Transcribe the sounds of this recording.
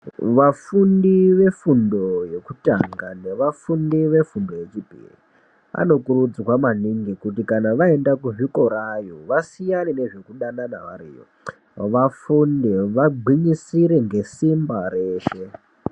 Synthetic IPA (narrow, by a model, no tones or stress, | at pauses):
ʋafundiʋe̞fundo̞je̞kutaŋɡane̞ʋafundiʋe̞fundo̞je̞t͡ʂipḭri | a̰no̞kurud͡zikwamaniŋɡikutikanaʋae̞ndakuʐiko̞ɾajoʋasijanine̞ʐe̞kuɗanana̰ʋa̰ɾḭːjo̰ | ʋafundiʋaɡ͡ǃʱiɲisiɾeŋɡe̞simbareːʃe̞